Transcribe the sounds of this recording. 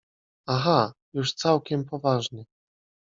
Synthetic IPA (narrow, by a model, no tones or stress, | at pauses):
axajuʂt̪sawkʲɛmpɔvaʐnɘ